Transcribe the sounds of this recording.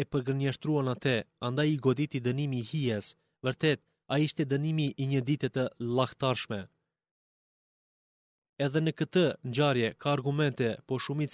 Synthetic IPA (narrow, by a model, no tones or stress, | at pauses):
ɛpəɾɡəɾnaʃt̪ɾuanat̪ɛand̪ajiɡɔd̪it̪id̪ənimiːhijɛs | vəɾt̪ɛt̪̚ | aiʃt̪ɛd̪ənimiʔːɲəd̪it̪ɛt̪əlˠaht̪aɾʃmɛ | ɛðɛnəkət̪əɲd͡ʑaɾjɛkʰaːɾɡumɛnt̪ɛpɔʃumit͡s